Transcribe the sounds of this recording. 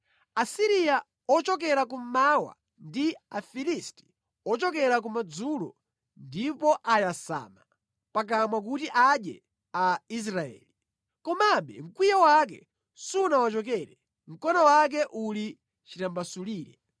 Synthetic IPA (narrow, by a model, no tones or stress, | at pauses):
asiɾija | ɔt͡ʃɔk̬ɛɾakum̩mawa̰ | ndiafilisti̥ | ɔt͡ʃɔkɛɾak̬umad͡zulɔ̰ | ndipɔʔajasa̰ːma | pak̬amwak̬utiʔaɗjɛ̰ | ais̬ɾaɛ̰ːli | kɔmaɓɛ̰ŋ̩kwijawak̬ɛ | sunawat͡ʃɔk̬ɛɾɛ | m̩kɔnawak̬ɛʔuli | t͡ʃitambasuliːɾɛ